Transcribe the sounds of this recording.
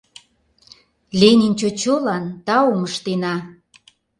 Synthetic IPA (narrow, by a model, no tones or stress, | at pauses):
lʲenʲinʲt͡ɕot͡ɕolɑnt̪ɑoməʃt̪enɑ